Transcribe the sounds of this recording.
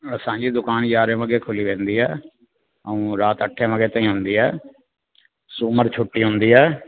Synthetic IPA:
sãːɲd͡ʒiːd̪ʊkaːnjaːɾẽʋəɡeːkʰʊliːʋẽːnd̪iːɦɛː | əũːɾaːt̪əʈʰːẽːʋəɡeːt̪ãĩːɦʊnd̪iːɛː | suːməɾt͡ʃʰʊʈːiːɦʊnd̪iːɦɛː

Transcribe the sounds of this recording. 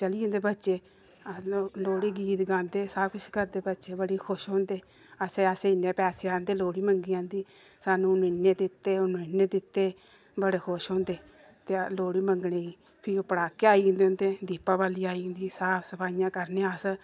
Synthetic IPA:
t͡ʃəliːõnd̪eːbətːʃeː | loːɽiːɡiːt̪ɡãːnd̪eːsaːbkʊʃkəɾd̪eːbətːʃeːbəɽiːkʰʊʃɦõːnd̪eː | əseːəseːɪnːeːpɛːseːãːnd̪eːloːɽiːməŋɡiːãːnd̪iː | saːnũːnɪnːeːd̪ɪt̪ːeːʊnõːɪnːeːd̪ɪt̪ːeː | bəɽeːkʰʊʃɦõːnd̪eː | t̪eːloːɽiːməŋɡneːiː | pʰɪɾoːpəɽaːkeːaːĩːnd̪eõːnd̪eːd̪iːpaːbaːliːaːĩːnd̪iːsaːpsəpʰaːijãːkəɾneːəs

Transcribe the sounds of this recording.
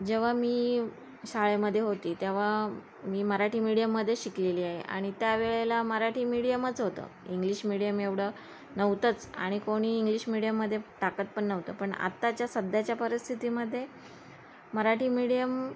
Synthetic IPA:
d͡ʑeʋ̤amiː | saɭeməd̪ʱːjeɦot̪iːt̪jeʋ̤a | miːməɾaʈʰiːmiɽijəmːəd̪ʱːjeɕikleliːaɦeʔa̰ɽ̃it̪jaʋeɭelaməɾaʈʰiːmiɽijəmət͡sɦot̪ə̰iŋɡliːɕmiɽijəmeʋɽ̤ə | nəʋt̪ət͡sa̰ɽ̃ikoɽ̃iːŋɡliɕmiɽijəmːəd̪ʱːjeʈakət̪̚pəɳːəʋt̪əːpəɳa̰t̪ːat͡ɕjasəd̪ʱjat͡ɕjapəɾist̪ʰit̪iməd̪ʱːje | məɾaʈʰiːmiɽijəm

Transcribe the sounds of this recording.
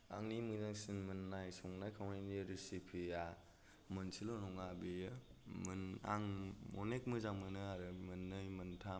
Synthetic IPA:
a̰ŋnimɯzaŋsinmɯnːajsɔŋnajkʰawnaniɾisipʰija | mɯnsʰilɔnɔŋabejɯmɯna̰ŋmɔnek̚mɯzaŋmɯnɯaɾɯmɯnːɯjmɯntʰa

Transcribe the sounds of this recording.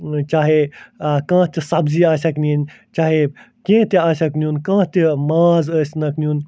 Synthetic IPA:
t͡ʃaːɦekãːt̪isɐbziːaːsaknin | t͡ʃaːɦe | kẽːt̪iaːsʲaknuːnkãːt̪imaːzəːsʲnɐknʲjuːn

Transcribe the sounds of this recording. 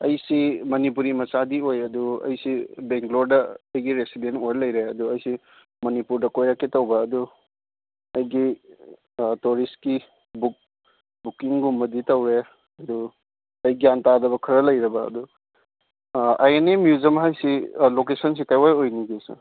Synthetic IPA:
ɐjsimɐnip̬uɾimɐsadiojɐduɐ̰jsibeŋkloɾdɐɐjɡiɾesidentojɾlɐjɾeɐduɐjsi | mɐnipuɾdɐkojɾaketɐwbɐːdu | ɐjɡi | toɾistki | buk̚ | bukiŋɡumbɐditɐwɾe | ɐdu | ɐjɡijantadɐβɐkʰɐɾɐlɐjɾɐbɐɐ̰du | a̰jenemjuzɐmɦajsilokesɐnsikajwajojniɡesɐ̰

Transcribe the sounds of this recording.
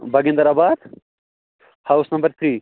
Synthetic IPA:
bɐɡɪ̃nd̪ɐɾaːbaːd̪ | hawsnɐ̃mbɐɾt̪ʰɾiː

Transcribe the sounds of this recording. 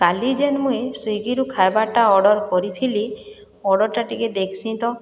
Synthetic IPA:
kalid͡ʒenmũesujɡiɾukʰaebaʈaɔɖɔɾkɔɾit̪ʰili | ɔɖɔɾʈaʈiked̪ekʰi̥sĩnt̪ɔ

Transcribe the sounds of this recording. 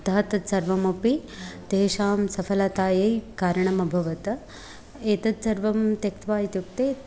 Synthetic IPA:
t̪ɐɐt̪ɐsɐɾʋɐmɐpit̪eːʃaːmsɐfʰɐlɐt̪aːjejkaːɾɐɳɐmɐbʱɐʋɐt̪ɐ | eːt̪ɐt̪sɐɾʋɐmt̪jɐkt̪ʋaːjit̪juk̚t̪eː

